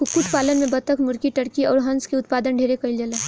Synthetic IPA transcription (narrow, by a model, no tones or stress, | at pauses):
kʊkːʊʈpaːlənmẽbɐt̪əkmʊɾkiʈɐɽkiɔːɾɦɐ̃nskiʊt̪̚paːd̪ənɖʱeːɾekɐild͡ʒəle